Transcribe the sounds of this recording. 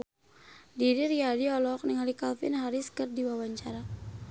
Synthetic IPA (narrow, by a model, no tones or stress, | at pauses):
diɾiriadiɔlɔk̚niŋalikalfḭnɦaɾiskərdiwawaɲt͡ʃaɾa